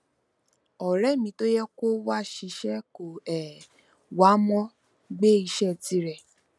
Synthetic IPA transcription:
ɔ˨ɾɛ˦˨mĩ˧˦to˦jɛ˦ko˦wa˦ʃi˧˦ʃɛ˦ko˨ɛ˨ | wa˨˦mɔ̃˦ | ɡ͡be˦i˧ʃɛ˦˨ti˨˦ɾɛ˨

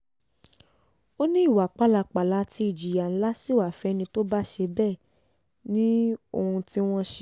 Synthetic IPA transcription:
o˦nĩ˦i˦˨wa˨k͡pa˨˦˨la˧˨k͡pa˨la˧˦ti˧˦i˨d͡ʒi˨ja˨n̩˦la˦si˦˨wa˨fɛ˧˦nĩ˧to˦ba˦ʃe˧bɛ˦˨ | nĩ˦o˧hũ˧ti˦w̃ɔ̃˦ʃ

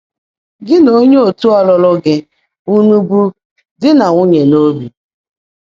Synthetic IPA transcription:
ɡɪ˦no˦ɲe˦o˨tu˦ɔ˦lʊ˦lʊ˦ɡɪ˦ | u˦nu˦bu˦ | dɪ˦na˨ŋʷʊ˦ɲe˨no˦bi˨

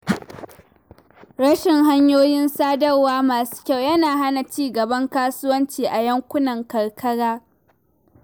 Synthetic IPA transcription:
ɽɐ˦ʃɪ˨ŋɦa˦ɲjoː˦jɪ˦nsaː˦dɐ˦rwaː˦maː˨su̥ː˦kʲa˦˨wjɐ˦naː˨ɦa˦na˨t͡ʃiː˦ɡɐ˨bɐ˦ŋkaː˦sʊ˦wɐ˦nt͡ʃiː˨ʔa˨jɐ˦ŋkʷʊ˦nɐ˨ŋkɐ˨ɽkʰɐ˦ɽaː˦

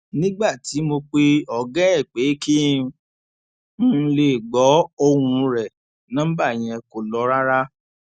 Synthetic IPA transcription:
nĩ˦ɡ͡ba˦˨ti˨˦mo˧k͡pe˧ɔ˨ɡɛ̃˦ɛ˦˨k͡pe˨˦ki˦ | mũ˦˧le˨ɡ͡bɔ˨˦o˦˧wũ˧ɾɛ˨ | nã˦ba˦˨j̃ɛ̃˧ko˨lɔ˨˧˦ɾa˦ɾa˦

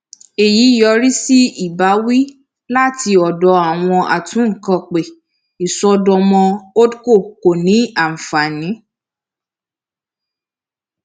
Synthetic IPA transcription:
e˨ji˨˦jɔ˧ɾi˦si˦i˦˨ba˨˦wi˦ | la˦˨ti˧ɔ˨dɔ˧˦a˦˨w̃ɔ̃˧ʔa̰˨tũ˨˦ŋ̩˨kã˧k͡pe˨ | i˨sɔ˧dɔ˧mɔ̃˧o˦dko˦˨ko˨nĩ˨˦a˨m̩˨fa˨nĩ˨˦

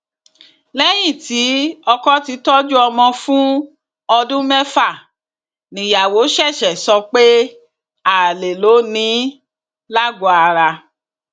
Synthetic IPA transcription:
lɛ˦j̃ĩ˦˨ti˨˦ɔ˧kɔ˦ti˨˧˦tɔ˦d͡ʒu˦ɔ˧mɔ̃˧fũ˦ | ɔ˧dũ˦mɛ˦fa˦˨ | nĩ˨ja˨wo˨˦ʃɛ˦˨ʃɛ˨sɔ˧k͡pe˦ | a˦˨le˨lo˨˦nĩ˨˦ | la˦ɡo˨˦a˧ɾa˧

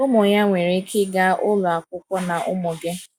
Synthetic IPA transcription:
ʊ˦mʊ˨ɲa˦ŋʷe˨ɾe˦kʰɪ˦ɡa˦ʔʊ˦lʊ˨a˨kʷʊ˦kʷɔ˦na˨ʔʊ˦mʊ˨ɡe˦

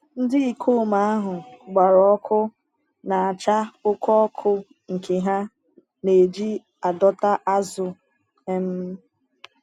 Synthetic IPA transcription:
n̩˦dɪ˦i˨kʰo˦˨ma˦a˦ɦʊ˨ɡ͡ba˨ɾɔ˦ɔ˦kʰʊ˦ | na˨a˨t͡ʃa˦ʊ˦kɔ˦kʰʊ˦ | ŋ̩˨ke˨ɦa˦ | ne˨d͡ʒi˦ | a˨dɔ˦ta˦ʔa˦zʊ˨ | e˦m̩˦

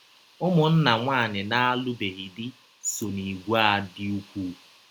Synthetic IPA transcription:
ʊ˦mʊ˨n̩˦na˨ŋʷaː˦˨nɪ˨na˦a˦lʊ˦be˨ɣɪ˨dɪ˦ | so˨ni˨ɡʷa˦˨dɪ˦u˦kʷu˦

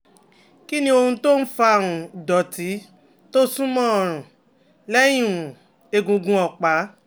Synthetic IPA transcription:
ki˦nĩ˦o˧hũ˧to˦n̩˦fa˧˦˨ɾ̃ũ˨dɔ˨ti˨˦ | to˦sũ˦mɔ̃˦ɔ˨ɾ̃ũ˨ | lɛ˦j̃ĩ˦˨ũ˨ | e˧˨ɡũ˧ɡũ˧ɔ˨k͡pa˨˦

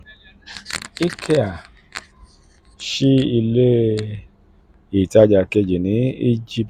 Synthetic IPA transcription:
i˦kʰe˦a˨ | ʃi˦i˧le˦ | i˨ta˧d͡ʒa˨ke˧d͡ʒe˨nĩ˨˦i˦d͡ʒi˦p

